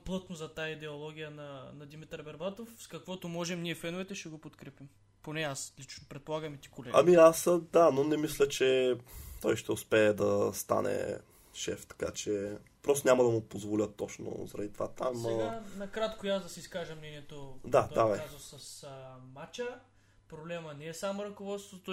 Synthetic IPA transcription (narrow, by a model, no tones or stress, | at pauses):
plˠɤt̪nozɐt̪aid̪ɛolˠɔɡʲijənɐnɐd̪imit̪ɛɾbɛɾvat̪ofskɐkvɔt̪omɔʒɛmniɛfɛnʊvɛt̪ɛʃɛɡopot̪kɾɛpim | ponɛaslit͡ʃnopɾɛt̪̚polˠaɡɐmɛt̪i̥kolɛɡɐ̰miasəd̪anonɛmislʲət͡ʃɛt̪ɔjʃt̪ɛʊspɛːd̪ɐst̪a̰nɛ̰ | ʃɛ̰ft̪ɐ̥ka̰t͡ʃɛpɾɔst̪onʲamɐd̪ɐmʊpozvolʲət̪ːɔt͡ʃno̰zɾɐd̪it̪o̥va̰t̪amɛanɐkɾat̪kojazd̪ɐsiiskaʒəmnɛniɛt̪od̪ad̪avɛazzosɐsəmat͡ʃə | pɾoblɛmənɛːsamoɾɐkovɔt̪st̪vot̪o